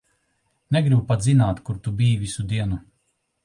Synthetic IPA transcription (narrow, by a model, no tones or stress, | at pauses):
nɛɡɾibupat̪zinaːt̪kuɾt̪ubiːjvisud̪iɛnu